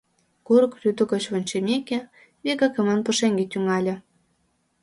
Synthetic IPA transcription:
kuɾɤ̆krʲyt̪ə̆ɣŏt͡ɕβonʲt͡ɕemʲekʲĕ | βekɑkĕmɑnpə̆ʃeŋɡet̪yŋɑlʲĕ

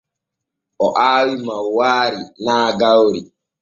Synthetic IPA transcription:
ʔɔʔaːwimawaːɾinaːɡawɾi

